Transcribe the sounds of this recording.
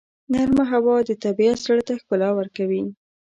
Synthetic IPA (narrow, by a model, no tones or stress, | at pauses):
naɾmaɦawɑd̪ət̪abiasaɽt̪axkʊlɑwəɾkawi